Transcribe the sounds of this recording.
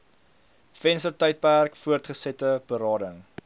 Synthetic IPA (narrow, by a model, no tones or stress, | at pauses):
fɛnstərtœjt̚pærkfuərtχəsɛtəb̥əɾɑːdəŋ